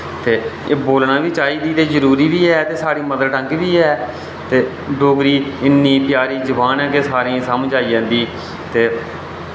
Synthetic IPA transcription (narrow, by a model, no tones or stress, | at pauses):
t̪eːboːlnãːʋiːt͡ʃaːiːd̪iːt̪eːzəɾuːɾiːʋiːɛːt̪eːsaːɽiːməd̪əlʈə̃ŋkʋiːɛː | t̪eː | ɖoːkɾiːɪnːiːp̪jaːɾiːd͡ʒəʋaːnɛ̃ːkeːsaːɾĩãːsəmd͡ʒaːiːjãːnd̪iː | t̪eː